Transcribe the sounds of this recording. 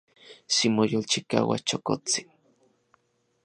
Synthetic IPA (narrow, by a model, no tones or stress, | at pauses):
simojolt͡ʃikaːwa̰t͡ʃokot͡si̥n